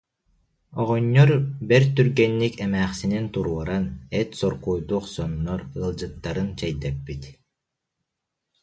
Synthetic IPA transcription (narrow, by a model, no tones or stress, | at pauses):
ɔʁɔɲːɔɾbɛɾt̪yɾɡɛnːikɛmæːχsinint̪uɾuɔɾanɛt̪sɔɾkujd̪uːχsɔnːɔɾɯlˠd͡ʑɯt̪ːaɾɯnt͡ɕɛjd̪ɛpːit̪